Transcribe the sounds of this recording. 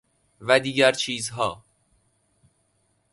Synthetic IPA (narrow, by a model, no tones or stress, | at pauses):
væd̪iːɟæɾt͡ʃʰiːzɦɒː